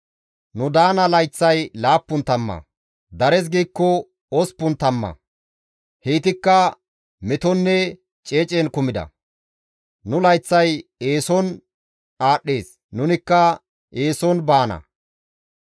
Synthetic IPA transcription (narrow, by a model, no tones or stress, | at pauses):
nʊd̪aːnɐlɐjt͡sːɐjlaːpːʊnt̪ɐmːɐ̰ | d̪ɐɾɛs̬ɡiːkːɔ | ɔspːʊnt̪ɐmːɐ̰ | heːt̪ɪkːɐ | mɛt̪ɔnːɛ | t͡ʃʼeːt͡ʃʼenkʊmɪd̪ɐ̰ | nʊlɐjt͡sːɐje̞ːsɔn | aːɗːe̞ːs | nʊnɪkːɐ | eːsɔnbaːnɐ̰